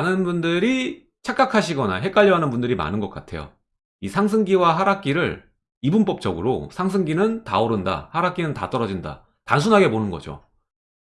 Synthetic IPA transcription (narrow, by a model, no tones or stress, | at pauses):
anɯnbundɯɾi | t͡ɕʰak͈akʰaɕʰiɡʌna̰ɦe̞k͈aʎːʌɦanɯnbundɯɾima̰nɯnɡʌk͈atʰe̞̰jo̰ | isʰaŋs̬ʰɯŋɡiwaɦaɾak͈̚iɾɯɭ | ibump͈ʌp̚t͡ɕ͈ʌɡɯɾo̰sʰaŋs̬ʰɯŋɡinɯnta̰oɾɯnda̰haɾak͈inɯnta̰t͈ʌɾʌd͡ʑinda̰ | tans̬ʰunɦaɡe̞ponɯnɡʌ̰d͡ʑo̰